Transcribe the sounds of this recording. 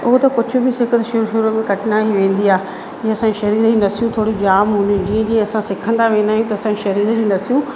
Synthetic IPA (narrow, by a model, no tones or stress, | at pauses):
ʊɦʊt̪ɐkʊd͡ʑʱʊ̆bɪsɪkət̪ʃʊɾʃʊɾmẽkɐʈɪnaːiʋẽːn̆d̪iaː | iɐsãɲiʃɐɾiːɾd͡ʑiːnɐsijũt̪ʰoːɽid͡ʑaːmɦʊ̃ːnid͡ʑĩːə̃d͡ʑĩːɐsãsɪkʰə̃nd̪aʋẽːnd̪aːɦjũt̪ɐɐsãɲd͡ʑiʃɐɾiːɾd͡ʑiːnɐsijũ